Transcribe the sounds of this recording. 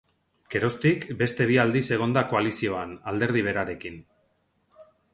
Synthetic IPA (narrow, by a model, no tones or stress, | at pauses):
ke̞ɾo̞st̪ikbe̞st̪e̞β̞iald̪ise̞ɣ̞o̞nd̪ako̞alisio̞anald̪e̞ɾð̞iβ̞e̞ɾaɾe̞kin